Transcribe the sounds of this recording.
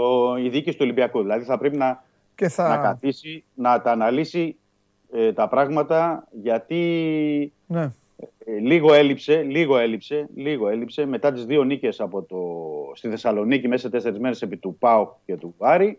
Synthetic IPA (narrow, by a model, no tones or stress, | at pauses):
oiðicist̪uolimbiɐkuðilɐðiθɐpɾe̞pinɐ | nɐkɐt̪isinɐt̪ɐːnɐlisi | et̪ɐpɾɐɣmɐt̪ɐʝɐt̪i | n | liɣo̞e̞lipse̞liɣo̞e̞lipse̞liɣo̞e̞lipse̞me̞t̪ɐt̪izðio̞nice̞sɐpo̞t̪ost̪iθe̞sɐlo̞nicime̞sɐt̪e̞se̞ɾizme̞ɾese̞pit̪upɐoce̞t̪uɐɾi